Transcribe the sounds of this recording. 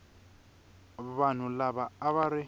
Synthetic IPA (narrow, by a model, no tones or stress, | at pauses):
βan̤ʊlaβaːβaɾɪ